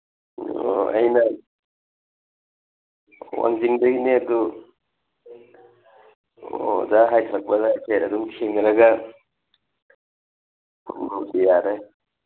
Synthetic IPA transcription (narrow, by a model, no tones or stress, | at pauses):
oɐ̰jnɐ | wa̰ŋziŋdɐɡineɐdu | o̰zaɦajtʰɾɐk̚pɐzajseɐduŋkʰeŋɡɾɐɡɐ | pʰunmautijaɾe